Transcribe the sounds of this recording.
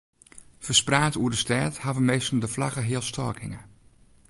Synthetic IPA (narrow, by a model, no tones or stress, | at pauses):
fəspraːtuəɹdəstɛrthavəmejstən̩ˠdəflɑɣəɦɪəlˠstʰɔ̰ɹkʰɪŋə